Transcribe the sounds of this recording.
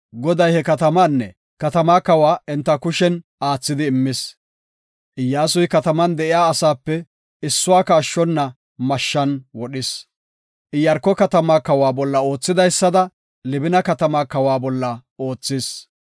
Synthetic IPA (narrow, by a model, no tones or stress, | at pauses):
ɡɔd̪ɐjhɛkɐt̪ɐmanːɛ | kɐt̪ɐmaːkɐwaːɛnt̪ːɐkʊʃɛnaːt͡sːɪd̪ɪːmːɪs | ʔɪjːaːsʊjkɐt̪ɐmɐnd̪ɛʔɪjaːsaːpːɛ | ɪsːʊwaːkaːʃːɔnːɐ | mɐʃːɐnwɔɗɪs | ʔɪjɐɾkːɔkɐt̪ɐmaːkɐwaːbɔlːɐo̞ːt͡sːɪd̪ɐjsːɐd̪ɐ | lɪbɪnɐkɐt̪ɐmaːkɐwaːbɔlːɐo̞ːt͡sːɪs